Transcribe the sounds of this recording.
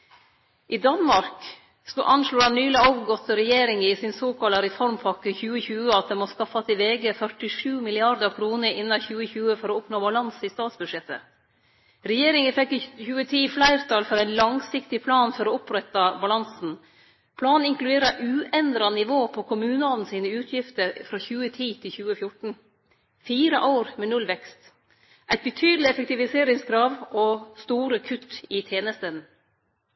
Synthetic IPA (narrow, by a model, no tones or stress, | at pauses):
ʔɪːd̪ɑnmɑɾk | skʉʔɑnʂloːdɑnnyːlɪɑʋɡɔt̪ːəɾɛjeːɾɪŋəɪsɪnsoːkɑlɑɾɛfɔɾmpʰɑkːəçʉːəçʉːəɑt̪̚d̪ɛmɔskɑfɑsɪʋeːɡəfœʈɪʂʉːmɪlɪɑɾd̪əɾkʰɾuːnəɾɪnːɑçʉːəçʉːəfɔɾɔɔpnoːbɑlɑnsɪst̪ɑːt̪sbʉd̪ʂɛt̪ːə̰ | ɾɛjeːɾɪŋəfɛkːɪçʉːət̪ʰiːflæɪɾt̪ʰɑlfɔɾæɪnlɑŋsɪkt̪ɪpʰlɑːnfɔɾɔʊpɾɛt̪ːɑbɑlɑnsn̩ | pʰlɑːnɪŋklʉd̪eːɾɑʔʉːɛnd̪ɾɑnɪʋoːpʰɔkʰʊmʉːnəɑln̩siːnəʉːt̪ʰjɪft̪əɾfɾɑːçʉːət̪ʰiːt̪ʰɪlçʉːəfjʊʈɳ̩ | fiːɾəʔɑʊɾmɛːnʉlʋɛkst̪ | ʔæɪt̪̚bət̪ʰyːd̪l̩ɪɛfɛk̚t̪ɪʋɪseːɾɪŋskʰɾɑːʋɔst̪uːɾəkʰʉt̪ːɪt̪ʰeːnəst̪ən